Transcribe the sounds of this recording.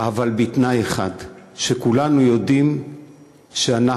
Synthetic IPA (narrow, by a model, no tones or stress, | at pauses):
ʔavalbitnajeχa̰dʃekulanujo̞dim | ʃeana